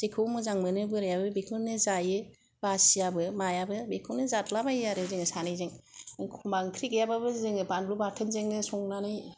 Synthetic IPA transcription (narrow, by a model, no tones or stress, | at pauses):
z̥ekʰɯwmɯzaŋmɯnɯbɯɾajabɯbekʰɯnɯzajɯ | basiabɯmajabɯbekʰɯwnɯzatlabajaɾɯzeŋɯsanizeŋkʰumbaŋkʰɾiɡejababɯzeŋɯbanlubaɾtʰenzeŋɯsɔŋnani